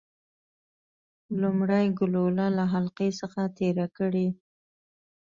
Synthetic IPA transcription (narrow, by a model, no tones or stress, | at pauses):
lʊmɽajɡʊlolalaɦalqesəxat̪eɾakəɽi